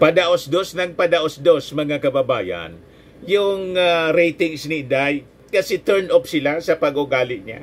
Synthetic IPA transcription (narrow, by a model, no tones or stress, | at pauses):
pɐd̪aʔosd̪osnɐŋ̚pɐd̪aʔosd̪osmɐŋakɐbɐbaːja̰n | jʊŋaɾejt̪ɪŋsnɪd̪aj | kɐsɛt̪ɛɹnʔopsɪlasɐpɐɡʔʊɡaːlɪʔɲa̰